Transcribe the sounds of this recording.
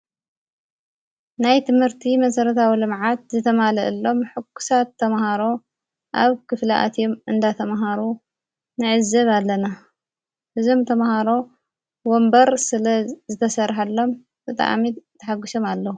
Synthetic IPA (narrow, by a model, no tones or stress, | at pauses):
najt̪ʰɨmhɨɾt̪ʰimɐsɐɾɐt̪ʰawilɨmʕat̪̚zɨt̪ʰɐmalɐʔɨlːo̞mħɨkːu̥sat̪ʰːɐmhaɾo̞ | ʔaβkʰɨflɐʔa̰t̪ʰjomɨnd̪at̪ʰɐmɦaɾu | nɨʕɨzɐβalːɐna | hɨzo̞mt̪ʰɐmhaɾo̞ | wombɐɾsɨlɐzɨt̪ʰɐsɐrħalːo̞m | bɨt̪ʼa̰ʕ̰mit̪ʰːɐħaɡːɨʃomalːɐhu